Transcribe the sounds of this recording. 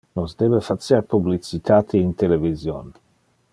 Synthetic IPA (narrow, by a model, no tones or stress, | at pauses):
nozd̪eːvefat̪sjaɾpublit͡sit̪ʰaːt̪ʰiint̪elevizjon